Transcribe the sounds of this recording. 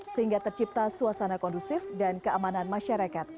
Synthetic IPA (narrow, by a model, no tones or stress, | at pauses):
səhiŋɡat̪ərt͡ʃip̚t̪asuasanakɔndusɪfdankəamananmaʃaɾakat̪̚